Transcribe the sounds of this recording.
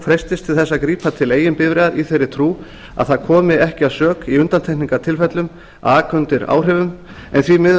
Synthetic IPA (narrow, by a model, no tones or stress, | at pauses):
fɾɛjst̪ɪst̪ʰɪlθɛsːakɾiːpat̪ʰɪleːjɪnpɪðvɾeːðaɾiθejɾːɪ̥t̪ʰɾuː | a̰ðθaðkʰɔːmɪɛhcɪaðsœːkiʏnt̪ant̪ʰɛhkniŋkat̪ʰɪlfɛt̪lʏm | aːkʰœnt̪ɪɾa̰ːwr̥ɛːvʏm | ɛ̰nθvimɪ